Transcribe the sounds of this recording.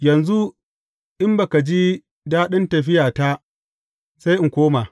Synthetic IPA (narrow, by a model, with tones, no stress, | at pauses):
jɐ˨nzu˦ | ʔɪ˦mbɐ˨ka˨d͡ʒi˦ | daː˦ɗɪ˦ntɐ˨ɸɪ˦jaː˨ta˦ | sa˦jʔɪ˨ŋkʷoː˦maː˨